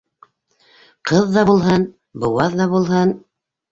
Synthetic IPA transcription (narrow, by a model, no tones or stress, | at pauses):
qɤðːɑbulˠɦɤn | bɤ̆wɑðːɑβulˠɦɤn